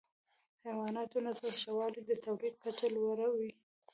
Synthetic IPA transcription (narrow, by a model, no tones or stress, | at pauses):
hajwɑnɑt̪onasasʃawɑlid̪ət̪awɾiq̚kat͡ʃalwaɾawi